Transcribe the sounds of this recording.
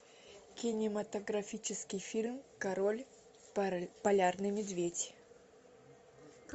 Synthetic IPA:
kʲɪnʲɪmɐt̪əɡɾɐfʲit͡ɕɪskʲɪjfʲilʲmkɐɾolʲ | pɐlʲarnɨmʲɪd̪vʲedʲ

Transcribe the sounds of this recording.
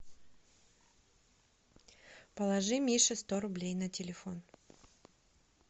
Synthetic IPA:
pəlˠɐʐɨmʲiʂɨst̪oɾʊblʲejnɐtʲɪlʲɪfo̞n

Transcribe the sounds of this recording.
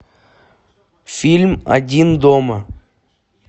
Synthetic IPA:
filʲmɐ̰dʲind̪omə

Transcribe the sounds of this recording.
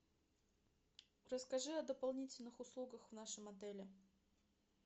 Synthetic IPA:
rəskɐʐɨɐd̪əpɐlˠnʲitʲɪlʲnɨxʊslˠuɡəxvnaʂɨmɐd̪ɛlʲɪ

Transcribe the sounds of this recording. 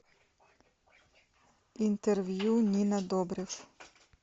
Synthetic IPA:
int̪ɛɾʋjunʲinad̪ɔbɾif

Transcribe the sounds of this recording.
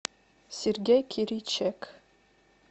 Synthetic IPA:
sʲerɡʲejkʲʰiɾit͡ʃʰek

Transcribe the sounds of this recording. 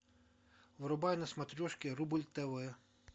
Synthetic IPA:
ʋɔɾɔbɑjnɐsmɐt̪ɾʲɔʃkʲɪɾubʊlʲt̪ɛʋɛ

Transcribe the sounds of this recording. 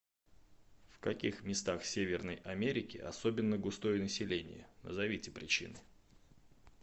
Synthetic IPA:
fkɐkʲixmʲɪst̪axsʲevʲɪrnəjʔɐmʲeɾʲɪkʲɪ̰ʔɐ̰so̞bʲɪnːəɡʊst̪o̞jənəsʲɪlʲenʲɪ̰jə̰nə̰zɐvʲitʲɪ̥pɾʲɪt͡ɕḭnɨ

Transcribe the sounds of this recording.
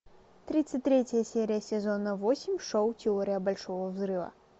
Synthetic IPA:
t̪ɾɨt̪sɐtʲt̪ɾʲɛt͡sʲɐjɐsʲɛɾɨjɐsʲɛzɔnɐvɔsʲimʲʂɔwt̪ʲɛɔɾɨjɐbalʲʂɔɣɐwzɾɨvɐ̰

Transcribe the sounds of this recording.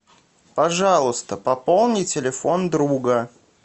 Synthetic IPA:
pɐʐɑlˠʊst̪əpɐpolˠnʲɪtʲɪlʲɪfo̞nd̪ɾuɡə

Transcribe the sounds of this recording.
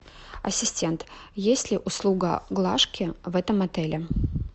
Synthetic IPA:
ɐ̰sʲɪsʲtʲent̪jesʲtʲlʲɪʔʊslˠuɡə̰ɡlˠaʂkʲɪvɛt̪əmɐt̪ɛlʲɪ

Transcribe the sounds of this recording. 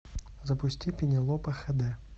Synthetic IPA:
zɐpʊsʲtʲipʲinʲɪlˠɔpɐxɐd̪ɛ

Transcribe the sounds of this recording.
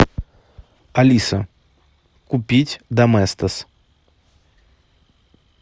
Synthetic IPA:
alʲisɐ | kupʲit͡sʲd̪ɐmɛst̪ɐs

